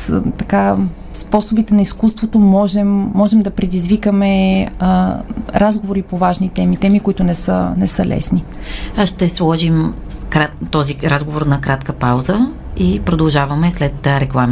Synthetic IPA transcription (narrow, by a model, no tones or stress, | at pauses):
t̪ɐka | spɔsobit̪ɛnɐiskust̪vot̪omɔʒɛmːɔʒɛmd̪ɐpɾɛd̪izvikəmɛ | ɾʔazɡovoɾipovaʒnit̪ɛmit̪ɛmikoit̪ʊnɛsə̰nɛsəlɛ̰sni | ʃt̪ɛslˠɔʒim | kɾat̪ɔziɾazɡovoɾnɐkɾat̪kəpawzə | ipɾod̪ɐlˠʒavɐmɛslɛt̪ɾɛklˠam